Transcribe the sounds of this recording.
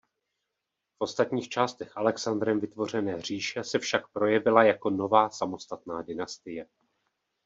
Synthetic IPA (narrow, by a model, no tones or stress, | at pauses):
fʔo̞st̪at̪ɲiːxt͡ʃaːst̪ɛxʔalɛksand̪ɾɛmvɪt̪vo̞r̝ɛnɛːr̝̥iːʃɛsɛfʃakpɾo̞jɛvɪlajako̞no̞vaːsamo̞st̪at̪naːdɪnast̪ɪjɛ